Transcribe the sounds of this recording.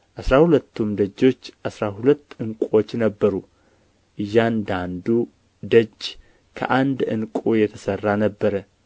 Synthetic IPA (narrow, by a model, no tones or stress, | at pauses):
ʔasɾahulət̪ʰːumd̪əd͡ʒːo̞t͡ʃːʔasɾahulət̪ːɨŋkʷʼo̞t͡ʃːnəbːəɾu | ʔɨjːand̪and̪u | d̪əd͡ʒ | kʰə̰ʔand̪ɨŋkʼujɛt̪ʰəsərːanəbːəɾə